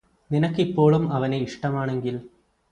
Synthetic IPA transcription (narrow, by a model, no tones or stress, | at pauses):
ninɐkːipːo̞ːɭumɐʋɐneiʂʈɐmaːɳe̞ŋɡil